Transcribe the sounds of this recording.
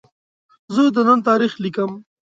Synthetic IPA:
zəd̪ənant̪ɑɾixlikəm

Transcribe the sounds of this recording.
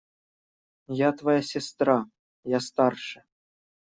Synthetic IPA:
jɑt̪vajasʲest̪rɑ | jɑst̪ɑrʂɘ̥̆

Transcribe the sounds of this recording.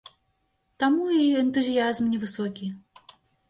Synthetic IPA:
t̪amuiɛnt̪uzʲijazmnʲɛvɨsɔkʲi

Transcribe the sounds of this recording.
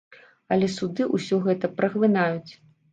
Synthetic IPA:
ɐlʲɛsud̪ɨʔusʲɔɣɛt̪ɐpɾʔɐxlˠɨnajut͡sʲ

